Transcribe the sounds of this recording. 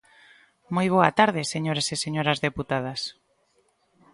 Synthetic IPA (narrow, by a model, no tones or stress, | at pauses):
mojβ̞oɐt̪aɾðɪseɲoɾeseseɲoɾɐzðeput̪að̞ɐs